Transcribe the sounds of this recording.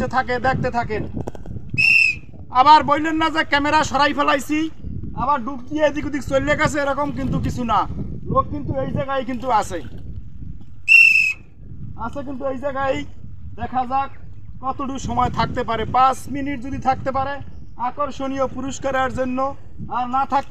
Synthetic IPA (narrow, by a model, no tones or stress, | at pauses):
et̪ʰaked̪ɛk̚ʰt̪et̪ʰake | abaɾbojlenːazekɛmeɾaʃɔɾajpʰɛlajsʰi | abaɾɖukd̪ijeed̪ikod̪iksojlːekasʰeeɾɔkomk̬int̪̬ukit͡ɕʰuna | loɡ̚kint̪uejd͡ʑɛɡajk̬int̪uasʰe | asʰek̬int̪̬uejd͡ʑɛɡaj | d̪ɛkʰazak | kɔt̪oʈuʃɔmɔet̪ʰak̚t̪epaɾepasminiʈ̚d͡ʑod̪it̪ʰak̚t̪ep̬aɾe | akoɾʃonijopuɾoʃkaɾaɾd͡ʑonːo | aɾnat̪ʰak̚